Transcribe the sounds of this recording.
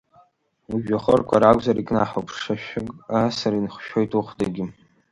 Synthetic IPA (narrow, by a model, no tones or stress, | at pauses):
uʒᶣaχərkʷʰaɾakʷʼzaɾikʼnaħapʰʂaʃʷᶣɪkʼasaɾinχʃᶣojtʼuχʷdaɡʲɪ